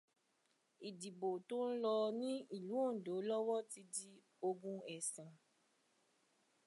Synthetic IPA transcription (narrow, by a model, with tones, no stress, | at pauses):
i˨di˨bo˨to˦n̩˦lɔ˧nĩ˦i˨lũ˨˦o˦˨do˨˦lɔ˦wɔ˦ti˧di˦ | o˧ɡũ˦ɛ˨sɛ̃˨